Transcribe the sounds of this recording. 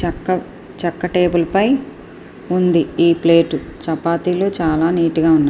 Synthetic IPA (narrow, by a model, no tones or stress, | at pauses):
t͡ʃɐkːɐ | t͡ʃɐkːɐʈeːbulɐpɐj | und̪iiːple̞ːʈut͡ʃɐpaːt̪iːloːt͡ʃaːlaːniːʈuɡaːunːa